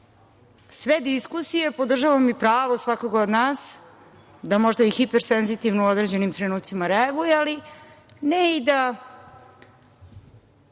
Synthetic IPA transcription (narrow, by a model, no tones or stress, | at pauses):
sʋed̪iskusije̞po̞d̪r̩ʒaʋamipɾaːʋosʋakoɡod̪naːs | d̪amo̞ʒd̪aixipeɾsenzit̪ivnouo̞d̪ɾeːd͡ʑe̞nimt̪ɾe̞nuːt̪simaɾeaɡujeali | neid̪a